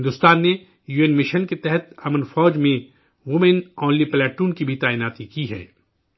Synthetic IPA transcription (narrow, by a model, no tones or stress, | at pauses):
ɪnd̪ʊst̪aːnːe | juːeːnmɪʃənket̪ɛɦət̪ɐmənfɔːd͡ʒmẽ | ʋʊmẽnɔ̃ːnliplɛːʈuːnkibʱit̪aːɪnaːt̪ikiɦɛ̰ː